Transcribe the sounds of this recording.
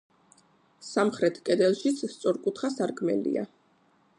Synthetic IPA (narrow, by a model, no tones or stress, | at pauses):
samχɾɛt̪ʰkʼɛd̪ɛlˠʃit̪sʰst̪sʼɔɾkʼut̪ʰχasaɾkʰmɛ̰lḭa̰